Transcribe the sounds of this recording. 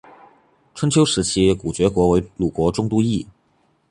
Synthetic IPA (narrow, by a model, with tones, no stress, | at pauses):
ʈ͡ʂʰə˥nt͡ɕʰjo˥ʊʂɻ̩˧˥t͡ɕʰi˥ku˨˩t͡ɕɥɛ˧˥kwɔ˧˥we˧˥ɪlu˨˩kwɔ˧˥ʈ͡ʂʊ˥ŋt̪u˥i˥˩